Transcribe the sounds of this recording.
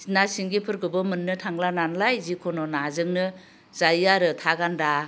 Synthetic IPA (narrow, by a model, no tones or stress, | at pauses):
nasiŋɡipʰɯɾɡɯbɯmɯnːɯtʰaŋlananlajzikʰɔnɔnazɯŋnɯ | zajaɾɯtʰaɡanda